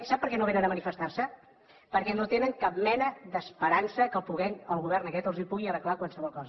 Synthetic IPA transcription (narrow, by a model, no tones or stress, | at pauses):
sap̚ːəɾkɛnoβenənəmənifəst̪aɾsə | pəɾkɛnot̪enəŋkap̚mɛnəðəspəɾansəkəlpuɣɛnəlˠɣuβ̞ɛrnəkɛt̪əlˠzipuɣiərəklakwalˠsəβɔlˠkɔzə